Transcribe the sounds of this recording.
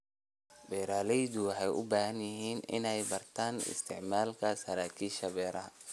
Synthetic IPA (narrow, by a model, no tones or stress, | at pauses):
bɛːɾaːlɛjd̪ʊwɑħɛjʔʊ̰baːhɐnjɪɦiːnɪ̰nɛjbɐrt̪ʰaːnɪ̰st̪ʰɪʕmaːlkʰɐsɐɾaːkʰiːʃɐbɛːɾɐɦɐ